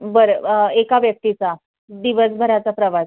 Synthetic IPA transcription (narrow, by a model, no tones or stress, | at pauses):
bəɾəekaʋjək̚t̪it͡sa | d̪iʋəsbʱəɾat͡sapɾəʋa